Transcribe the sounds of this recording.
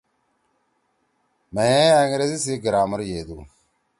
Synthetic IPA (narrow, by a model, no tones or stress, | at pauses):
majeaŋiɾesis̬iɡiɾaːmɐɾjed̪u